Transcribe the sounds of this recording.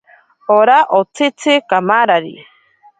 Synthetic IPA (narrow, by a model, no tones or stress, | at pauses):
oɾaʔot͡sʰɪt͡sʰɪkamaɾaɾḭ